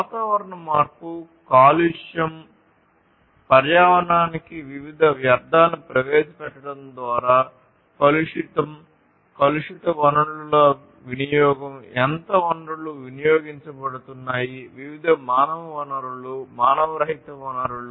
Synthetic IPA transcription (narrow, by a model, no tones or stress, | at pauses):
ʋaːt̪aːʋɐɾɐɳɐmaːɾpu | kaːliʂjɐm | pɐɾjaːʋɐɳaːnikiʋiʋid̪ʱɐʋjɐɾd̪ʱaːnːipɾɐʋeːsɐpɛʈːɐɽɐnd̪ʋaːɾaː | kɐluʂit̪ɐm | kɐluʂit̪ɐʋɐnɐɽululoː | ʋinijɔːɡɐmɛnt̪ɐʋɐnɖuɭuʋinijoːɡiɲt͡ʃɐbɐɽut̪unːaːjiʋiʋid̪ʱɐmaːnɐʋɐʋɐnɐɾulumaːnɐʋɐɾɐɦit̪ɐʋɐnɐɾuɭu